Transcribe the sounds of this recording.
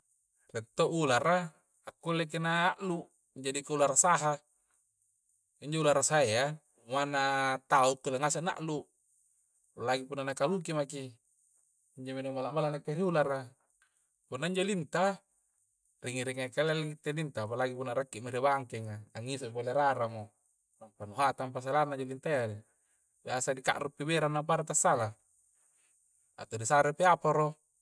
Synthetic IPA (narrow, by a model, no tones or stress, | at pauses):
ret̪ːoʔulara | akːulek̬enaːʔlu | d͡ʒadikaularasaɦa | iɲd͡ʒoulaɾasaea | manat̪auk̪ːulaŋasana̰ʔlu | laɡipunːanakaluk̬imaki | iɲd͡ʒomenumalamalanakːeɾiulara | punːaiɲd͡ʒolint̪a | riŋiɾiŋakalelɡit̪ːelint̪apalaɡipunːaɾakːiʔmiɾebaŋkeŋaaŋːisoʔpoleɾaɾamo | apanuɦat̪amp̬as̬alanaɲd͡ʒolint̪ajai | beasadika̰ʔɾʔupːibeɾanːap̬aɾat̪asːala | a̰t̪odisaɾepeapaɾo